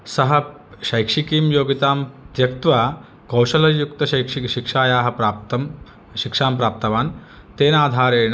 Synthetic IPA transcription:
sɐɦɐ | ʃɐjkʂikiːmjoːɡit̪aːmt̪jɐkt̪ʋa | kɐwʃɐlɐjukt̪ɐɐjkiʃikʂaːjaːɦɐ̆pɾaːp̚t̪ɐm | ʃikʂaːmpɾaːp̚t̪ɐʋaːn | t̪eːnaːd̪ʱaːɾeːn

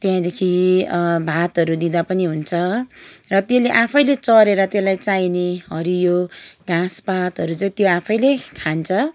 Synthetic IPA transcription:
t̪jɦãd̪ekʰi | bʱat̪ʌɾud̪ĩd̪apʌniɦunt͡sʰʌrʌt̪jeleʔapʰʌjlet͡sʌɾeɾʌt̪jelajt͡saineɦʌɾijoɡãspat̪ɦʌɾut͡saĩt̪joapʰʌjlekʰant͡sʰʌ

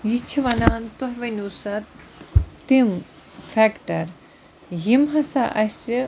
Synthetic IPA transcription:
jit͡ʃʰiʋɐnaːnt̪oɦʋɐnuːsɐt̪ː | im | fʰekʈɐɾ | jimɦɐsaʔɐsi

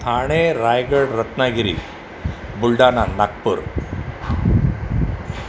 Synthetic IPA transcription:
t̪ʰaːɳeɾaːjɡɐɽɾɐt̪naːɡiɾḭ | buɭɖaːnanak̚puɾ

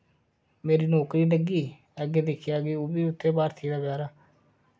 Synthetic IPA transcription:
meːɾiːnɔːkɾiːləɡiː | ɛːɡeːd̪ekʰɪjaːɡeːoːbiːʊt̪ʰːeːbaːɾt̪ʰiːd̪aːbjaːɾaː

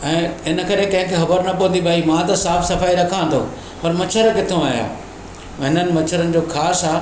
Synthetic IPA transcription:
ɛ̃ːɪnə̆kɐɾekɐ̃ɦɪ̃kʰexɐbəɾnɐpɐənd̪iɓaːimãt̪ɐsaːfsɐfaːiɾɐkʰãnd̪ʰo̰ː | pɐɾmɐt͡ɕʰəɾkɪt̪ʰoaːɦja̰ː | ɦɪnənɪ̆mɐt͡ɕʰəɾənɪ̆d͡ʑoːxʰaːsaː

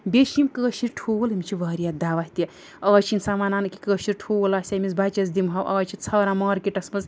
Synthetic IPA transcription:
bʲeʃimkəːʃiɾʈʰuwlimt͡ʃʰiʋɐːɾijat̪̚d̪aːʋaht̪iɐ | ɐːt͡ʃʰinsamaːnaːnɨki̥kəːʃiɾʈʰoːwlaːsʲamʲizbat͡ʃɐz̬d̪imɦɐwʔɐ̰t͡ʃʰit̪t͡sʰɐːɾamɐːɾkiʈɐsmɐz

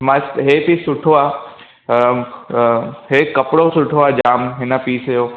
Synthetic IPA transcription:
masɦeːpisʊʈʰoaː | ɦekɐpɽosʊʈʰoaːd͡ʒaːmɦɪnəpiːsejoː

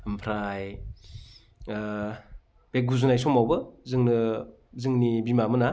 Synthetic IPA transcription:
ɯmpʰɾaj | b̥ek̚ɡuzunajsomawbɯzɯŋnɯ | zɯŋnibimamɯna

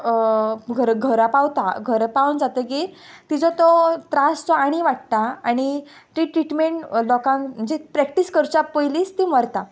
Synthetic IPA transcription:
ɡʱəɾɡʱəɾapawt̪aɡʱəɾpaund͡zat̪əɡet̪id͡zɔt̪ɔt̪ɾast͡sɔaɽ̃iʋaʈ̚t̪aaɽ̃i | ʈ̪ɾiʈɾiʈmeɳʈlɔkãŋm̤əd͡ʑepɾɛk̚ʈiskəɾt͡ɕapəjliːst̪iməɾt̪a

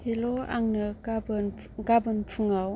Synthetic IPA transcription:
hiloa̰ŋnɯb | ɡabənpʰɯŋaw

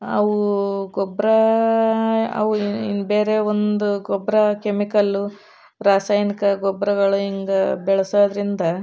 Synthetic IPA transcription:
ɐ̰ʋuɡɔbɾɐ | ɐ̰ʋuinbe̞ːɾe̞ond̪uɡɔbɾɐkemikɐlːu | ɾaːsaːjnikɐɡɔbɾɐɡɐɭuiŋɡɐbɛɭɐsoːd̪ɐɾind̪ɐ

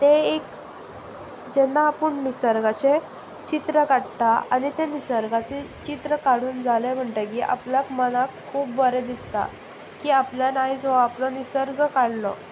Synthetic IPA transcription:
t̪eek | d͡ʑɛnːapəɳnisəɾɡat͡ɕe | t͡ɕit̪ɾəkaɽt̪aa̰nit̪enisəɾɡat͡set͡ɕit̪ɾəkaɽuːnd͡zʱalem̤əɳʈekiːʔa̰plakmənakʰːuːpbəɾed̪ist̪a̰ | kiːapljanaid͡zʋaaplɔnisəɾɡəkaɽlɔ̰

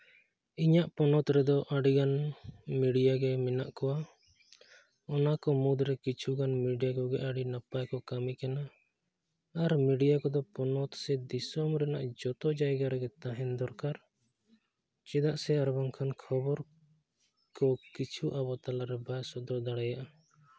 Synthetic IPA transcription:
iɲaʔpɔnɔt̪ɾɛd̪ɔʔaɖiɡanmiɖijaɡɛmɛnaʔkɔwa | ɔnakɔmud̪ɾɛkit͡ʃʰuɡanmiɖijakɔɡɛʔaɽinapajkɔkamikana | ɾmiɖijakɔd̪ɔpɔnɔt̪sɛd̪isɔmɾɛnaʔd͡ʒɔt̪ɔd͡ʒajɡaɾɛɡɛt̪aɦɛnd̪ɔɾkaɾ | t͡ʃɛd̪aʔsɛaɾbɔŋkʰankʰɔbɔɾ | kɔkit͡ʃʰuʔabɔt̪alaɾɛbasɔd̪ɔd̪aɽajaʔa

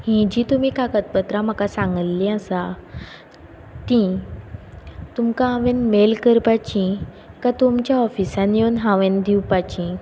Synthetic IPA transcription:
hĩd͡ʑit̪um̤ikakət̪̚pət̪ɾam̤akasãŋɡəllĩasa | t̪ĩ | t̪umkaɦãʋenmelkəɾpat͡ɕĩ | kat̪umt͡ɕjaɔfisãnjewnɦãʋend̪ʱiwpat͡ɕĩ

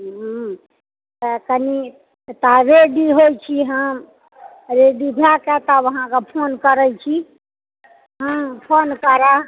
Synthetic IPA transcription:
ɦ | t̪əkəni | t̪aɾeɖiɦojt͡ʃʰiɦə̃ | ɾeɖibʱakɛt̪aʋəɦãkepʰonkəɾət͡ʃʰi | ɦə̃pʰonkəɾa

